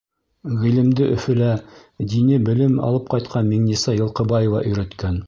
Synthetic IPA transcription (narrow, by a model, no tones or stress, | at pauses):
ʁilɘ̆md̪ɘʔɵ̆fɘ̆læ | d̪inɘbɘ̆lɘmɑ̰lˠɤp̚qɑjt̪̚qʰɑnmiŋnisɑjɤ̆lˠqɤ̆bɑjovɑ̰ʔɵ̆jɾæ̆t̪kæn